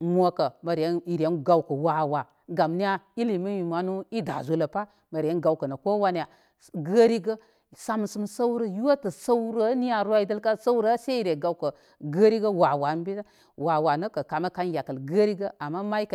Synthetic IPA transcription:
mʷ˦o˨kə˨ma˨ɾje˦i˨ɾe˨˦nɡa˨wkə˨wa˨wa˨ | ɡa˨mni˦ja˦i˦li˨mə˦ji˨ma˨nu˦i˦da̰˨zu˦lə˨pa˦ | mə˨ɾje˦nɡa˨wkə˨na˨ko˦wa˦n˨a˨ | ɡə˦ɾi˦ɡə˦ | sa˦m˨sə˦msa˦wɾə˦ju˦wa˦tə˨sa˦wɾə˦ni˦ja˨ɾa˦i˨də˦lka˦sa˦wɾə˦sa˦i˨ɾe˨ɡa˨wkə˨ | ɡə˦ɾi˦ɡə˦wa˨wa˨n˦bi˦a˦ | wa˨wa˨nə˦kə˨ka˨ma˦ka˦n˦ja˨kə˨lɡə˦ɾi˦ɡə˦a˨mːa˦ma˦i˦k

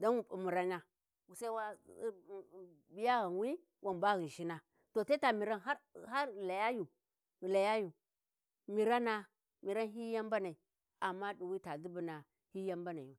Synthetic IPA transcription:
da˦nwu˨bu˨mu˨ɾa˦ɲa˦˨ | sa˦wa˦˨ | bi˦ja˦ɣa˨nwi˦ | wa˨nba˦ɣi˨ʃi˦na˨ | to˨ta˦ta˨mi˨ɾa˦na˦ha˦˨la˨ja˦ju˨ | la˨ja˦ju˨ | mi˨ɾa˦na˨ | mi˨ɾa˦nɦi˦ja˦mba˦na˨i˨ | a˨mːa˦du˨wi˦ta˨di˦bu˨na˨ | hi˦ja˦mba˦na˨u˨

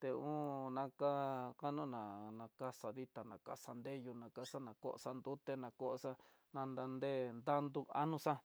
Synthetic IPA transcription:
t̪e˧ũ˦nã˧ka˦ka˦nũ˦nã˨nã˧ka˦sa˧ði˦t̪a˨nã̰˨ka̰˧sa˧nd̪e˦ju˧nã˧ka˦sa˦nã˨ko̰˦˨ʔo̰˧sa˧nd̪u˦t̪e˧nã˨˧ko˦ʔsa˦ | nã˧nd̪a˧nd̪e˦˨nd̪a˦nd̪u˧a̰˦nũ˧sa˦

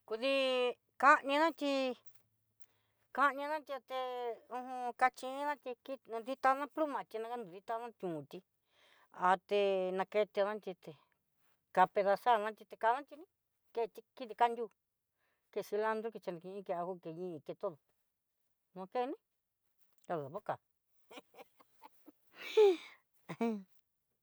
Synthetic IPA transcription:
ku˧ði˦ | ka˦ɲã˧nã˦t̪ʲi˧ | ka˦ɲã˧nã˦t̪i˧a˧t̪e˧ũ˧hũ˧ka˧t͡ʃĩ˧˦nã˦t̪i˧ki˦nũ˧d̪i˦t̪a˧nã˦plu˦mã˨t̪i˧nã˧ka˦nd̪ũ˨d̪i˧t̪a˧nã˦t̪ʲũ˨t̪i˧ | a˧t̪e˧nã˧ke˧t̪e˧nã˦t̪i˧t̪e˧ | ka˧pe˧ða˧sa˦˨˧nã˦t̪ʲi˧t̪e˧ka˧nã˦t̪i˧nĩ˦ | ke˧t̪i˧ki˦t̪i˧ka˦˧nd̪ʲu˦˧ | ke˧˨si˧la˧nd̪ɾu˦ke˧t͡ʃa˧nĩ˧kĩ˧ĩ˦ke˧a˧ku˦˧ke˧ɲĩ˦˧ke˧t̪o˦ðo˨ | nũ˧ke˦˧nĩ˦ | a˧˨o˨βo˦ka˨˧

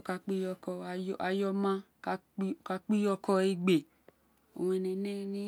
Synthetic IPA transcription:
o˨ka˧k͡pi˦jɔ˧kɔ˧˨˧a˧jɔ˧mã˧ | ka˧˦˨ | ka˧k͡pi˦jɔ˧kɔ˧e˧ɡ͡be˨ | o̰˨wɛ˧nɛ̃˨nɛ˦˧nĩ˦

